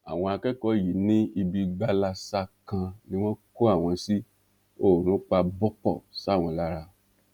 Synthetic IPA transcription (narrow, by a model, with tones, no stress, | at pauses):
a̰˨w̃ɔ̃˧a˧kɛ˦kɔ˦ji˨˦nĩ˦i˧bi˧ɡ͡ba˧la˧sa˦kã˧nĩ˦w̃ɔ̃˦ko˦a˦˨w̃ɔ̃˧si˦ | o˦˨ɾ̃ũ˨˦k͡pa˧bɔ˦k͡pɔ̰˦˨sa˨˦˨w̃ɔ̃˧la˦ɾa˧